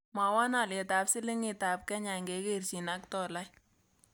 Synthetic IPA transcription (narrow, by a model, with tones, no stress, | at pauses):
ma˨wa˦na˨le˨ta˨psɪ˦lɪ˦ŋɪ˨ta˨p̚kɛ˦ɲa˨ŋɡe˨˦ke˦rʃi˨na˦ktɔ˨la˦j